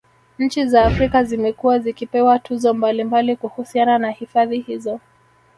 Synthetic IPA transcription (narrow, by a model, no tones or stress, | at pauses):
ɲ̩t͡ʃizaːfɾikazimɛkuwazikipɛwatʰuzɔmbalimbalikuhusiananahifaðihizɔ